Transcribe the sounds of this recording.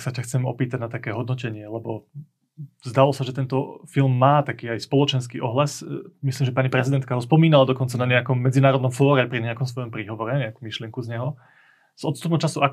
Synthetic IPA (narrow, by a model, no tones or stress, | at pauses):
ksacaxt͡sɛmɔ̰piːt̪aɟnat̪akɛːɦɔd̪nɔcɛɲɪɛlɛbɔ | zd̪alɔsaʒɛt̪ɛnt̪ɔfilˠmːaːt̪akiːajspɔlɔt͡ʃɛnskḭːʔɔɦlasmisliːmʒɛpaɲipɾɛzid̪ɛnt̪̚kaɦɔspɔmiːnalad̪ɔkɔnt͡sanaɲɛakɔmːɛd͡zinaːɾɔd̪nɔmfɔːɾɛajpɾiɲɛakɔms̬ʋɔjɔmpɾiɦɔʋɔɾɛɲɛakumiʃlɪɛŋkuzɲɛɦɔ | z̥ʔɔt̪st̪upnmt͡ʃasua